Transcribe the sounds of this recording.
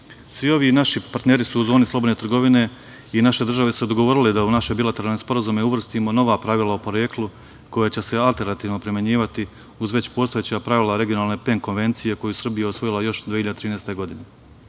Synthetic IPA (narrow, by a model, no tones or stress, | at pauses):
sʋio̞ʋinaʃipaɾt̪neːɾisuːzo̞ːnislˠobod̪net̪ɾrɡo̞ʋine̞ | inaʃe̞d̪r̩ʒaʋe̞sud̪oɡoʋo̞ːɾiled̪aunaʃebilat̪eɾalnespo̞ɾazumeuʋr̩st̪imo̞no̞ʋaːpɾaʋilˠaopo̞ɾeklˠu | ko̞jat͡ɕe̞se̞alˠt̪e̞ɾnat̪iːʋno̞pɾimʲjeɲiːʋat̪i | uzʋe̞t͡ɕpo̞ːst̪o̞jet͡ɕapɾaʋilaɾe̞ɡijo̞naːlˠne̞peŋko̞nʋe̞nt̪sije̞ko̞jusr̩bijeosʋo̞jilˠajo̞ʃd̪iːçiʎad̪et̪ɾiːnest̪e̞ɡo̞d̪ine̞